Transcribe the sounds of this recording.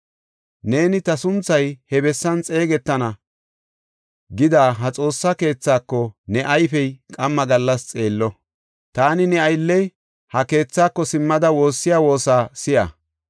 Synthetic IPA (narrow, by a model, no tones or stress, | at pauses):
ne̞ːnɪt̪ɐsʊnt͡sːɐjhɛbɛsːɐnt͡sʼe̞ːɡɛt̪ːɐnɐ | ɡɪd̪aːɦɐt͡sʼo̞ːsːɐke̞ːt͡sːaːkːɔnɛʔɐjfɛjkʼɐmːɐɡɐlːɐst͡sʼe̞ːlːɔ | t̪aːnɪnɛɐjlːɛj | hɐke̞ːt͡sːaːkːɔsɪmːɐd̪ɐwo̞ːsːɪjaːwo̞ːsaːsɪjɐ̰